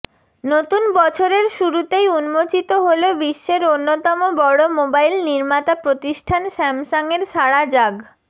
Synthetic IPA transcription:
not̪unbɔt͡ɕʰoɾeɾʃuɾut̪ejunmot͡ɕit̪oɦolobiʃːeɾonːot̪ɔmobɔɽomobajlniɾmat̪apɾot̪iʃʈʰanʃɛmʃaŋeɾʃaɽad͡ʑaɡ

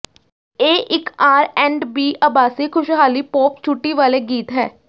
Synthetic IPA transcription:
eːʔɪkaːɾɛ̃ːɳɖbiːʔaːbaːsiːkʰʊʃɦaːliːpoːpt͡ʃʰʊʈːiʋaːleɡiːt̪ɦɛː

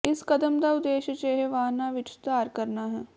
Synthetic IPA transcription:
ɪskɐd̪əmd̪aʊd̪eːʃət͡ʃeːɦeʋaːɦnaʋɪt͡ʃt̪aːɾkɐɾnaɦɛː

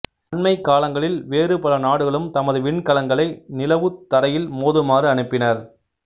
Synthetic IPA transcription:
ɐɳmɐɪkːaːlɐŋɡɐɭɪlʋeːrɯpɐlɐnaːɽɯɣɐɭɯmt̪ɐmɐðɯʋɪɳkɐlɐŋɡɐɭɐɪnɪlɐʋɯt̪ːɐɾɐjɪlmoːðɯmaːrɯɐɳɯpːɪnɐɾ

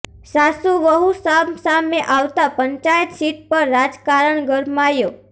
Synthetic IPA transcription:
sasuʋəɦusamsameʔaʋt̪apəɲt͡ʃajət̪siʈ̚pəɾːad͡ʒkaɾəɳɡəɾmajo

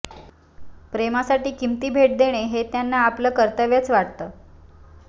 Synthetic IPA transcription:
pɾemasaʈiːkimt̪iːbʱeʈ̚d̪eɽ̃eɦet̪janːaːpləːkəɾt̪əʋjat͡sʋaʈt̪əː

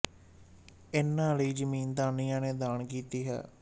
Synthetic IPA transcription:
ɪnːãːləiːd͡ʒəmiːnd̪aːnijãːneːd̪aːnkiːt̪iːɦɛ̰ː

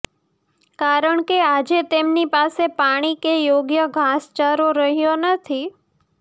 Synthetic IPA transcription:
kaɾəɳkead͡ʒet̪emnipasepaɽ̃ikejoɡjəɡʱast͡ʃaɾoɾəɦjonət̪ʰi

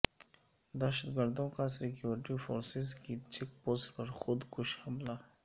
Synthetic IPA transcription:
d̪ɛʃət̪ɡəɾd̪õkasɪkjuːɾɪʈifoːɾsɪzkit͡ʃɪk̚poːsʈpɐɾxʊd̪kʊʃhɐmlaː

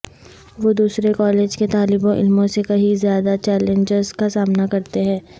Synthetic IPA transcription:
ʋoːd̪uːsɾekɔːleːd͡ʒket̪aːlɪbõʔɪ̰lmõsekɐɦizjaːd̪at͡ʃɛːlẽɲd͡ʒɪɾzkasaːmnakɐɾt̪eɦɛ̃ː

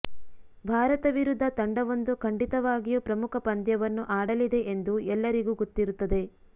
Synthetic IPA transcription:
bʱaːɾɐt̪ɐʋiɾud̪ʱːɐt̪ɐɳɖɐʋond̪ukʰɐɳɖit̪ɐʋaːɡijupɾɐmukʰɐpɐnd̪jɐʋɐnːuʔaːɽɐlid̪e̞ʔend̪uɛlːɐɾiɡuːɡot̪ːiɾut̪ːɐd̪e̞

